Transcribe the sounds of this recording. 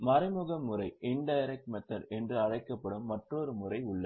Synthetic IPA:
mɐɾɪmɯɣɐmːɯɾɐɪɪɳɖɐjɐɾɛk̚ʈmɐt̪ːɐɾɛndrɯɐɻɐɪkːɐpːɐɽɯmːɐʈroɾɯmʊrɐɪʊɭːɐ

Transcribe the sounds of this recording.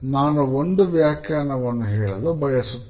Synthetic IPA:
naːnɐɔnɖ̪ɯʋɪjaːkːɐjaːnɐʋɐɳːɐɣɐɐɭɐlɐ̃bɐjɐsɯ

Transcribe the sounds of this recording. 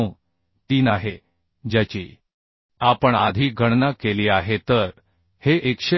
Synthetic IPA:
t̪iːnaɦe | d͡ʑat͡ɕḭː | apəɳad̪ʱiːɡʱəɳnakeliːaɦet̪əɾ | heʔekɕe

